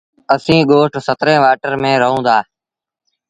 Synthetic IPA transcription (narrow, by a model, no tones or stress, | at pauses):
əsĩːɠoːʈsət̪ɾẽːʋaːʈəɾmẽːɾəɦũːd̪aː